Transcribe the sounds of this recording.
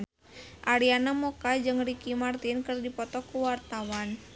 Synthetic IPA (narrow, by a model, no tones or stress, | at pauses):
ʔaɾianamɔkad͡ʒɨŋrikimart̪inkɨrdipɔt̪ɔkuwart̪awan